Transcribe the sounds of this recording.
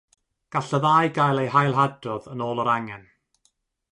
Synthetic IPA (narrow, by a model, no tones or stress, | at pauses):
ɡ̥aɬəðaːjɡajlˠejhajlˠɦadɔðənoːlˠəɾaŋɛn